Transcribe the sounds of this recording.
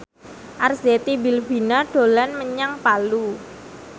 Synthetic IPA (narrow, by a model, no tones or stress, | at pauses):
ʔarzet̪ibilbi̤naɖ̥o̤lanməɲaŋpalu